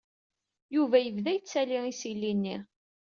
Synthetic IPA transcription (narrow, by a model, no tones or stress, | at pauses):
juvæjəvðæjət͡sːæliisilːinːi